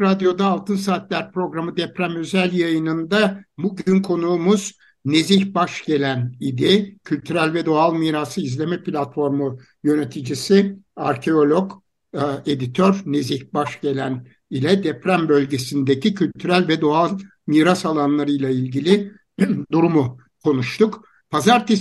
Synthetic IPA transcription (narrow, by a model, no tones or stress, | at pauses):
ɾad̪jo̞d̪aːlˠt̪ʰɯnsaːt̪lʲæɾpɾo̞ɡɾamɯd̪ɛpɾæmø̞zælʲjajɯnɯnd̪abuɟynkʰo̞nuːmuz̥ | ne̞ziçbaʃɟ̥e̞lʲænid̪ɛcʰylʲt̪ʰyɾælʲvɛd̪o̞alˠmiːɾasɯizlʲemɛplʲat̪fo̞ɾmu | jø̞ne̞t̪ʰid͡ʒisiaɾcʰe̞o̞lʲok | e̞d̪it̪ʰøɾne̞ziçbaʃɟe̞lʲæn | ilʲɛd̪ɛpɾæmbølʲɟe̞sind̪ecʰicʰylʲt̪ʰyɾælʲvɛd̪o̞alˠ | miːɾasalˠanlˠaɾɯjlˠailʲɟilʲi | d̪uɾumu | kʰo̞nuʃt̪ʰuk | pʰazaɾt̪ʰe